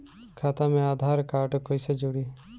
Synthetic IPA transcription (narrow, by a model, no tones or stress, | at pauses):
kʰat̪ãmẽaːd̪ʱaːɾkaːʈkojsed͡ʒuɽi